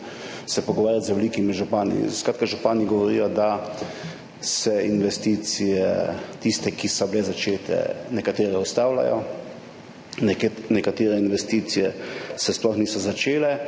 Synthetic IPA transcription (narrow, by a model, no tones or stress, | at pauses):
sɛpɔɡɔʋaːɾjat̪zʋɛliːkimiʒupaːnḭskɾat̪kaʒupaːniɡɔʋɔɾḭjɔd̪a | sɛinʋɛst̪iːt̪sijɛt̪ist̪ɛkisɔblɛzat͡ʃeːt̪ʰɛ̰nɛkat̪eːɾɛust̪aːwla̰jɔ | nɛkat̪eːɾɛinʋɛst̪iːt̪sijɛsɛsplɔxniːsɔzat͡ʃeːlɛ